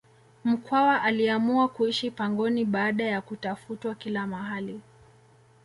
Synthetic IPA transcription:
m̩kwawaʔaliamuakuiʃipaŋɡɔniɓaːɗajakutafutwakilamaɦali

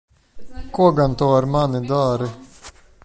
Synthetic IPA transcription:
kuɔɡant̪ɔːaɾmanːɪd̪aːɾɪ

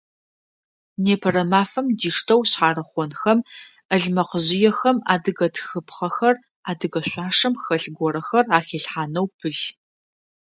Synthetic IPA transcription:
neːpʰɐɾɐmaːfɐmdiːʂtʰɐwɕħaːɾɐχʷɔnxɐm | əɮmɐqəʑɪjɛxɐma̰ːdɨɣɐtʰxɨpʰχɐxɐr | aːdɨɣɐɕʷʼaːʂɐmxɐɬɡʷɔɾɐxɐraːxeːɬħaːnɐwpʰɨɮ

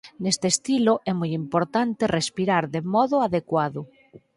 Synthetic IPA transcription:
nest̪eːst̪iloʔɛmujimpoɾt̪ant̪erespiɾaɾðemɔðʊaðekwaðʊ

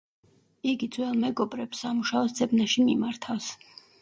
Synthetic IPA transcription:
iɡid̪zwɛlˠmɛɡɔbɾɛbsːamuʃaɔsd̪zɛbnaʃimimaɾt̪ʰafs

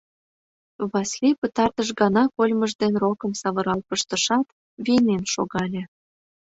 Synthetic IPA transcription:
βɑslʲipə̆t̪ɑrt̪əʃɡɑnɑkolʲməʒd̪enrokə̆msɑβə̆ɾɑlpəʃt̪ə̆ʃɑt̪ | βinenʃo̰ɣɑlʲĕ

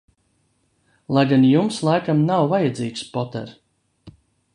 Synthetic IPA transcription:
lˠajɡanjumslˠajkamnawvajad̪ziːkspɔt̪ɛ̰ɾ

